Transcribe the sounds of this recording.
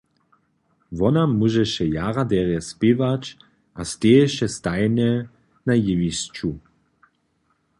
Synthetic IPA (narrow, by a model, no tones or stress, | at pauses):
vɔnamuʒɛʃɛjaʁad̪ɛʁjɛspɪvat͡ʃ | ʔast̪eɛʃɛst̪ajnɛ | najɪvist͡ʃu